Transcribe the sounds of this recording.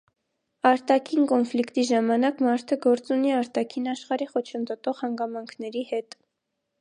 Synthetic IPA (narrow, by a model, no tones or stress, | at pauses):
ɑɾt̪ɑkʰinkɔnflikt̪iʒɑmɑnɑkmɑɾt̪ʰəɡɔɾt͡suniɑɾt̪ɑkʰinɑʃχɑɾiχɔt͡ʃʰənd̪ɔt̪ɔʁhɑŋɡɑmɑŋkʰnɛɾihɛt̪